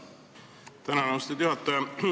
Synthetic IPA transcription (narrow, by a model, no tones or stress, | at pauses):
t̪ænɑnɑwst̪it̪juɦɑt̪ːɑjɑ